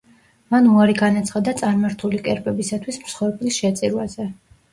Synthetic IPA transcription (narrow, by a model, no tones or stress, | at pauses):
manuaɾiɡanat̪sʰχad̪at̪sʼaɾmaɾt̪ʰulikʼɛɾpʼɛbisat̪ʰwismsχɔɾpʼlisʃɛt̪sʼiɾwazɛ